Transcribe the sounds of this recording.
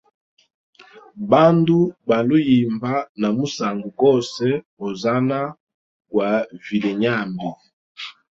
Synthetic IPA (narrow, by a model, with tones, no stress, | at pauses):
ba˦ndu˦ba˨lo˦ji˨mba˦na˨mu˦sa˨ŋɡu˨kɔ˦sɛ˦ | o˨za˦na˦ | kwa˨vi˨le˨ɲa˦˨mbi˨